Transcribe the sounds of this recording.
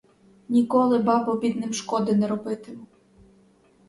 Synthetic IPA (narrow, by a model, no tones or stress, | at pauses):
nʲikɔlˠɪbɑbɔbʲid̪nɪmʃkɔd̪ɪnɛɾɔbɪt̪ɪmʊ